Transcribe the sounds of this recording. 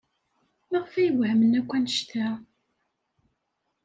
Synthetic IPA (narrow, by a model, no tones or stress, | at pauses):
maʁəfæjəvhəmənækʷːænəʃt̪æ